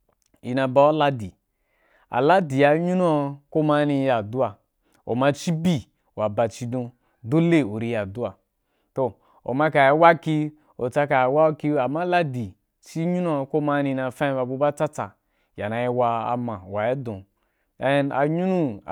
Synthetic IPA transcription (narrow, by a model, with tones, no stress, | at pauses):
i˨na˧ba˧˦o˦la˦di˨ | a̰˨la˦di˨a˨ɲu˦nu˦a˧˨ko˦ma˦ni˧ja˨du˦a˨ | o̰˨ma˧t͡ʃi˦bi˦ | wa˨ba˨t͡ʃi˦dõ˧ | do˦le˦o˨ɾi˦ja˨du˦a˨ | to˨ | o̰˨ma˦ka˨je˦wa˦ki˦ | o˨t͡sa˦ka˨wa˦o˦ki˦a˨ma˦la˦di˨ | t͡ʃi˦ɲu˦nu˦a˧ko˦ma˦nĩ˧na˧fã˦ba˧bu˧ba˦t͡sa˦t͡sa˨ | ja˨na˨je˦wa˧a̰˨ma˨wa˨je˦dõ˨ | e˦na̰˨ɲu˦nu˦˨